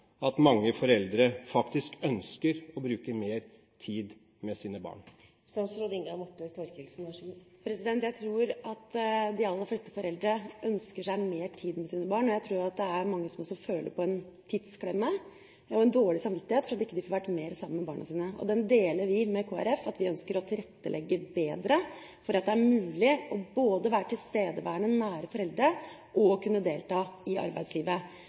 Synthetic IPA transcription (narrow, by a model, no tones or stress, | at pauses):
ɑt̪mɑŋːəfɔɾɛld̪ɾəfɑkt̪ɪskœnskəɾɔbɾʉːkəmeːɾ | t̪ʰiːd̪ | mɛsiːnəbɑ̰ːɳ | sɑsɾɔd̪ɪŋɡɑmʊʈːət̪ʰɔɾkəlsnɑʂpʰɾɛsɪd̪ɛnt̪jæɪt̪ʰɾuːɾɑt̪d̪ɪɑlːəɾflɛst̪ə̥fɔɾɛld̪ɾəœnskəʂæɪmeːɾʈʰiːd̪mɛsiːnəbɑːɳɔjæɪt̪ʰɾuːɾjʊɑt̪̚d̪ɛæɾmɑŋːəsɔmɔsːɔføːlʔə̰ɾpʰɔɛn | t̪ʰɪd̪skʰɽɛmːə | ɔɛnd̪oːɭɪsɑmʋɪt̪ːɪheːt̪fɾɑt̪ɪkːəd̪ɪfɔːɾʋæʈːmeːɾsɑmːəmɛbɑːɳɑ̰siːnəɔ̰d̪ɛnd̪eːləɾʋɪmɛkʰoːæ̰ɾɛfːɑt̪ʋɪœnskəɾɔt̪ʰɪlɾɛt̪ːəlɛɡːəbeːd̪ɾə | fɔɾɑt̪d̪ɛæɾmʉːlɪɔboːd̪əʋæːɾəʈʰɪlst̪eːd̪əʋæːɳənæːɾəfɔɾɛld̪ɾə | ʔɔkʰʉnːəd̪eːlt̪ɑːɪʔɑ̰ɾbæ̰ɪd̪sliːʋə